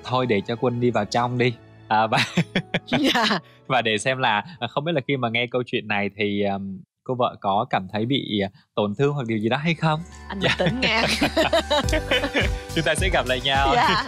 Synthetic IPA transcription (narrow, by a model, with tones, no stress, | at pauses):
t̪ʰo˧jɗe˧˩t͡ɕɔ˧kwə˧nɗi˧vaː˨˩wt͡ɕa˧wŋ͡mɗi˧ | ʔəː˨˩vaː˨˩ | a˧ | vaː˨˩ɗe˧˩sɛ˧mlaː˨˩xə˧wŋ͡mɓi˦˥la˨xi˧maː˨˩ŋɛ˧kə˧wt͡ɕwḭ˧˨ənːa˨˩jt̪ʰi˨˩ʔəː˨˩m | ko˧və̰ː˧˨kɔ˨˦kaː˧˩mt̪ʰə˨˦jɓḭ˧˨˩t̪o˧˩nt̪ʰɨ˧ŋhwa˨˩ɗi˨˩əzi˨˩ɗɔ˨˦ɦa˧jxə˧wŋ͡mʔa˧nː˨˩t̪ə˨˦ŋŋaː˧˩ | t͡ɕʊ˨˦ŋ͡mt̪aː˧sɛ̰˧˥ɣa˨˩p̚la̰ː˧˨jɲaː˧˩wː